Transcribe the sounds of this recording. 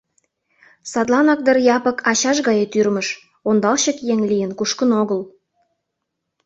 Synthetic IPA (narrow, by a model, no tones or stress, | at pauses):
sɑd̪lɑnɑk̚d̪ərjɑpɤ̆kʰɑt͡ɕɑʃɣɑjet̪yrmə̆ʃ | ond̪ɑlɕə̆kjeŋlijə̆nkuʃkə̆noɣəl